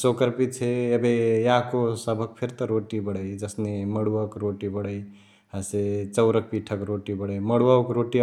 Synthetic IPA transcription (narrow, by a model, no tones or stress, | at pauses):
sokəɾpit̪t͡ʃʰeəbejakosəbʱək̚pʰeɾt̪əɾoʈibəɽəjd͡ʒəsneməɽuakɾoʈibəɽəj | ɦəset͡ʃəʊɾək̚piʈʰəkɾoʈibəɽəjməɽuaokɾoʈi